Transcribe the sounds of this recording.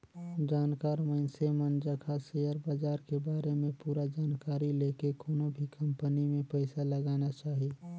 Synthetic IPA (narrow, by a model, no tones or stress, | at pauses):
d͡ʒaːnkaːɾmə̃ɪnsemənd͡ʒəkʰasejəɾbaːd͡ʒaːɾkebaːɾemẽpuːɾad͡ʒaːnkaːɾileːkekoːnobʱikɐ̃mpənimẽpəɪsalɐɡaːnat͡ʃaːɦie